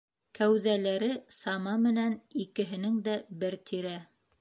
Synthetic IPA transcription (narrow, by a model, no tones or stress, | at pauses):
kʰæwðælæɾɘsɑmɑmɘ̆nænikɘ̆ɦɘ̆nɘŋd̪æbɘɾt̪ʰiɾæ